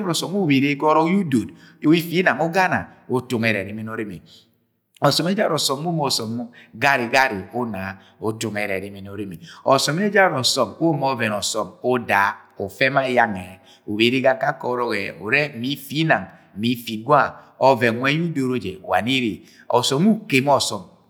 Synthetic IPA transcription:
mɾɔ˨sɔ˨mu˦be˨ɾe˦kɔ˦ɾɔ˦ju˦do˨d | i˦fi˦na˨ŋo˦ɡa˦na̰˨o˦tu˨ŋɛ˨ɾɛ˨ɾi˦mi˦no˦ɾi˦mi˨ | ɔ˨sɔ˨mɛ˦d͡ʒa˦ɾɔ˨sɔ˨mː˦u˦mɔ˨sɔ˨m˦ɡa˦ɾi˨ɡa˦ɾi˨o˦na˨ | o˦tu˨ŋɛ˨ɾɛ˨ɾi˦mi˨no˨ɾi˦mi˨ɔ˨sɔ˨me˦d͡ʒa˦ɾɔ˨sɔ˨mo˦mɔ˦vɛ˨nɔ˨sɔ˨mo˦da˨ | o˨fɛ˦ma˦ja˦ŋɛ˨ | o˨βe˨˦ɾi˦ɡa˦ka˦kɔ˨ɾɔ˦ɣɛ˨o̰˨ɾɛ˦mi˨˦fi˦na˨ŋ˨ | mi˨˦fi˨ɡwa˦ | ɔ˦vɛ˨ŋ˨wʷɛ˦u˦do˨ɾo˦d͡ʒḛ˨wa̰˨ni˦ɾi˨ | ɔ̰˨sɔ˨mu˦ke˨m˦ɔ˦sɔ˨m

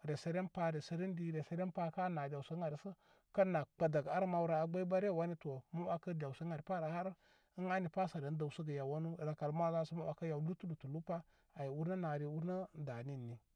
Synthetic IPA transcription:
ɾe˨se˦ɾe˦npa˦ɾe˨sə˨ɾi˦ndi˨ɾe˨se˦ɾe˦npa˦ka˦na˨dʲa˨wsə˦a˨ɾsə˦ | ka˦nːa˨k͡pa˨da˨ɡa˦ɾma˨wu˦ɾa˨a˨ɡ͡ba˦i˦ba˦ɾe˦˨wa˦ni˦to˨mu˦a˨kə˦dʲa˨wsə˦ŋa˨ɾpa˦ɾa˨ha˦ɾ | ə˦ŋa˦ni˨pa˦sa˨ɾe˨n˦da˨wsu˦ɡə˨ja˨wa˦nu˦˨ɾa˨ka˨lma˦za˦sə˦ma˦wa˨ka˦ja˨˦lu˦tu˦lu˨tu˨lu˦pa˦ | a˨ji˨wu˦ɾna˦na˨ɾi˨u˦ɾna˦da˨ni˦˨nːi˨

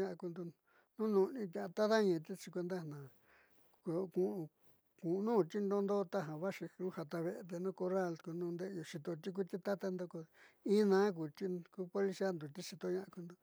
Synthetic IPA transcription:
ɲã˧ʔã˧ku˧nd̪u˧ | nũ˦nũ˧nĩ˧t̪ʲã˧ã˧t̪a˦ða˦ɲĩ˧˨˧t̪i˦t͡ʃi˧kʷe˧nd̪a˦nã˨ | ko˧kũ˧ | kũ˨˧nũː˦˨t̪i˦nd̪o˦nd̪o˦t̪a˦ɦã˨βa˦ʂi˧ũ˦ha˧t̪a˧βe˧e˧t̪̬e˧nũ˦ko˧ra˦˨lku˧nũː˧nd̪e˦˧jo˧ʂi˧t̪o˧t̪i˦k̬ʷu˦˧t̪i˦t̪a˦t̪a˦nd̪o˧ko˧ĩ˦nãː˦k̬u˨t̪i˦ku˧˦po˧li˧si˦a˦nd̪u˨t̪i˦ʂi˧t̪o˧ɲã˧ʔã˧ku˧nd̪o˧

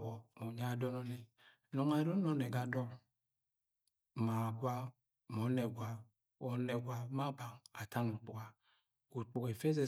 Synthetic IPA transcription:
wɔ˨mo˨ɲa˦˨dɔ˦nɔ˦ne˨ | no˨ŋa˨˦dɔ˦no˦ne˨ɡa˨dɔ˦ŋ˨ | ma˨ɡwa˦˨ | mɔ˨˦ne˨ɡʷa˦ | o˨ne˨ɡʷwa˦ma˦ba˨ŋa˨ta˦ŋ̩˨k͡pu˨ɡa˨ | ku˨k͡pu˨ke˨fe˦ze˨

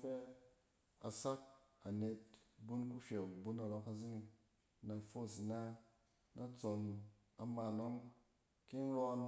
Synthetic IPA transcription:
fe˦ | a˨sa˦k̚a˨ne˧t̚bu˦nku˦ʃʲe˨bu˦na˨ɾɔ˧ka˧zi˦ni˧ | na˨fo˦˨s̬na˦ | na˦t͡so˧n | a˨ma˧˨no˦ŋ | ki˦n˦ɾɔ˧n

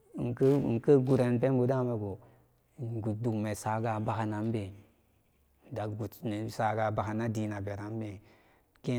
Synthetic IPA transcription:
n˨kə˦˨ŋ̩˨kə˦ɡu˨ɾe˨npe˦m˦bo˨da˦me˨ɡo˨ | ɡu˨t̚du˨kme˨sa˨ɡa˨ba˦ha˨na˨m˦be˨ | da˨kɡu˨tne˨sa˨ɡa˨ba˨ha˨na˦di˨na˨be˨ɾa˦m˦be˨ | ke˦

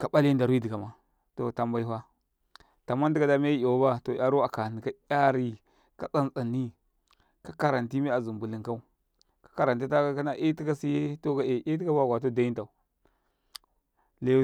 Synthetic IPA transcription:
ka˨ɓa˦li˦n˦da˨ɾi˦di˨ɡa˨ma˨ | to˨ta˨mba˦i˦wa˦ | ta˨mːa˦ndi˦ka˨da˦me˦a˨wo˦ba˦to˨ja˨ɾu˦a˨ka˨ni˨ka˦a˦ɾi˦ | ka˦t͡sa˦nt͡sa˨nːi˦ | ka˦ka˨ɾa˨nti˦mi˦a˨zu˨mbu˨li˨ŋka˦u˦ | kḁ˦ka˨ɾa˨nti˦ta˦a˦ka˦na˦ʔi˦ti˦ka˦si˦je˦to˦ka˨e˨ʔi˦ti˦ka˦ba˦˨ɡʷa˨t̬o˦da˨˦i˦nta˨u˨ | le˦

